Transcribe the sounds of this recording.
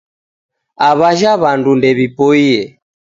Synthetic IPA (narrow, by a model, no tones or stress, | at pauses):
aβaʒaβandundɛβipɔiɛ